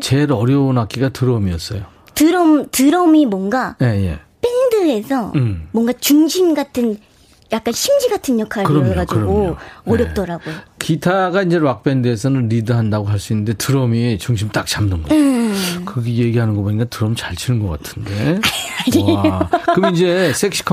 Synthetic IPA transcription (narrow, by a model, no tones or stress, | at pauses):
t͡ɕe̞ɾʌɾjʌonɦak̚k͈iɡatɯɾʌmiʌs͈ʌjo | tɯɾʌmtɯɾʌmimwʌŋɡaje̞je̞̰p͈eŋdɯesʰʌmmwʌŋɡat͡ɕuŋɕʰimɡatʰɯn | jak͈̚anɕʰimd͡ʑiɡatʰɯnjʌkʰaɾkɯɾʌmɡakiɯɾɡooʌɾjʌp̚t͈ʌɾaɡojokitʰaɡaind͡ʑe̞wak̚p͈endɯesʰʌnɯnɾidɯɦandaɡoɦaɭs͈uinːɯnde̞tɯɾʌmit͡ɕuŋɕʰimt͈ak̚t͡ɕamnɯnɡʌ | kɯɡije̞ɡiɦanɯnɡʌpoɲik͈atɯɾʌmit͡ɕaɭt͡ɕʰinɯnɡʌk͈atʰɯnde̞aɲiokɯmind͡ʑe̞sʰek̚ɕʰi̥kʰ